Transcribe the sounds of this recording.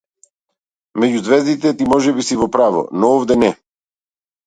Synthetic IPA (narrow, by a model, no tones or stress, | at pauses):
mɛɟuzvɛzd̪it̪ɛt̪imɔʒɛbisivɔpɾavɔ̰nɔɔvd̪ɛnɛ